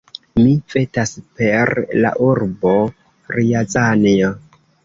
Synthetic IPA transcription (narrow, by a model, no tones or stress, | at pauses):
mife̞taspe̞ɾla̰ʔuɾbo̞ | ɾiazanio